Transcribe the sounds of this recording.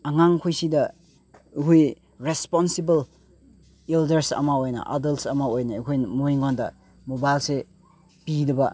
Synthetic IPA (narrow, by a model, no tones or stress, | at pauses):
aŋaŋkʰujsidɐ | kʰuj | ɾespɔnsibɐl | eldɐɾsɐ̰maojnɐ̰ʔa̰dɐltsɐmaojnaikʰojmoiŋɡɔndɐ | mobajlse | pidɐbɐ